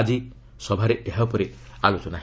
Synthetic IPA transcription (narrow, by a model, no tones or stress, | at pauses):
d͡ʒi | sɔbʱaɾeʔeɦapɔɾealot͡ʃɔnaɦ